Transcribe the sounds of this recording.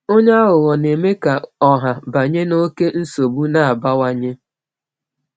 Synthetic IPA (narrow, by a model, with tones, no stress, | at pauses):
o˦ɲa˦a˦ɣʊ˨ɣɔ˨ne˨me˦ka˨ɔ˨ɦa˨ba˨ɲe˦no˦ke˦n̩˦so˨bu˦na˨a˨ba˦wa˦ɲe˦